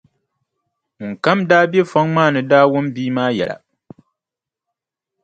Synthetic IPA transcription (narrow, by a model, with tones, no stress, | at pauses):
ŋ̩˨ka˦mdaː˦be˦fa˦ŋmaː˦˨nɨ˨daː˦wʊ˦mbiː˦maː˦jɛ̰˨la̰˨